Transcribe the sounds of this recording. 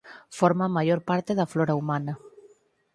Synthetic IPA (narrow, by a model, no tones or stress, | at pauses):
foɾmamaʎoɾpaɾt̪eðafloɾaumana